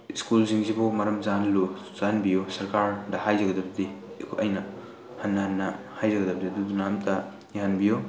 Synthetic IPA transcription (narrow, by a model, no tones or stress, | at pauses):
iskulziŋzibomɐɾɐmzanlu | z̥anbijosɐɾkaɾdɐhajzɐɡɐdɐbɐdi | ʔɐjnɐ | hɐnːɐhɐnːɐ | hajzɐɡɐdɐbɐd̪id̪udunamtʰɐ | jaanbijo